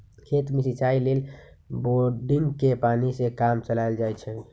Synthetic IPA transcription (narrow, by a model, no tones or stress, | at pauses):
kʰet̪misit͡ʃaileːlboɖiŋɡkepaːnisekamt͡ʃəlaɪld͡ʒaːjt͡ʃʰɛ